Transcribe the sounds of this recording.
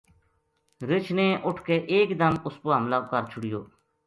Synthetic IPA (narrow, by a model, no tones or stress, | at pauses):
ɾɪt͡ʃʰnẽːʔʊʈʰkeːʔeːkd̪əmʊspoːɦəmlaːkəɾt͡ʃʰʊɽɪjo̰ː